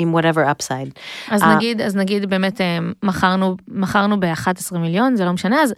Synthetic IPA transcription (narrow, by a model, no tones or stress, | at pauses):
ɪ̃mwʌɾɛvə˞apsaɪdaznaɡidaznaɡidbe̞ːmeteːaχaʁnumaχaʁnubeaχate̥sʁimiljo̞nzelo̞meʃaneaz